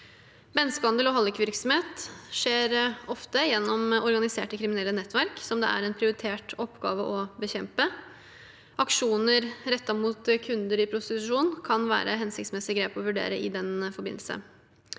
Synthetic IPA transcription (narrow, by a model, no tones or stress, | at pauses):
bɛnːskəhɑnd̪əlɔɦɑlɪkʋɪɾksɔmheːt̪ʂeːɾɔft̪əjɛnːɔmʔɔɾɡɑnɪsḛːʈəkʰɾɪmɪnɛlːənɛt̪ːʋæɾksɔmd̪ɛ̰æ̰ɾɛnpʰɾɪʊɾɪt̪ʰeːʈɔpːɡɑ̰ːʋəʔɔbəçɛmpə | ʔɑkʂuːnəɾɾɛt̪ːɑmuːt̪kʰʉnd̪əɾɪpʰɾʊst̪ɪt̪ʉʂuːnkʰɑnʋæ̰ːɾəɦɛnsɪkt̪smɛsɪɡɾeːpɔʋʉɖḛːɾəʔɪd̪ɛnfɔɾbɪ̰nlsə̰